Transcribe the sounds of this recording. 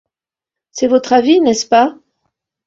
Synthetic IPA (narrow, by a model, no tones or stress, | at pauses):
sɛvɔt̪χavinɛspa